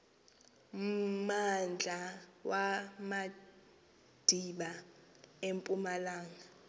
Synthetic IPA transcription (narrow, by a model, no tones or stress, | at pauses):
mand͡ɮʱawama | d̥ʱiɓa | empʼumalaːŋa